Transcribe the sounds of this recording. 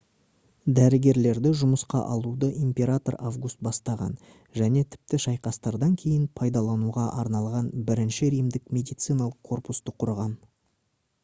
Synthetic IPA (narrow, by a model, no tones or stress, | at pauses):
d̪æɾɪɡʲe̞ɾle̞ɾd̪ɪʒʊməsqɑ̰ʔɑlˠud̪əʔimpʲe̞ɾat̪o̞ɾavɡust̪̚bɑst̪ɑʁɑ̰n | ʒæne̞t̪ʰɪ̥p̚t̪ɪʃɑjqɑst̪ɑɾd̪ɑŋkʲʰe̞jɪnpʰɑjd̪ɑlˠɑnuʁɑʔɑɾnɑlˠʁɑnbɪɾɪnʃɪɾijmd̪ɪkmʲe̞d̪ijt̪sɨjnɑlˠəqkʰːo̞rpust̪əqʰʊɾʁɑn